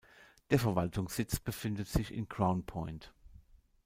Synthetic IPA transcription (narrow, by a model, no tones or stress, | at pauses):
d̥eːɐfɛɐvaltʰʊŋsɪt͡sb̥əfɪndətz̥ɪçɪ̰nkʁ̥aʊnpʰɔʏnt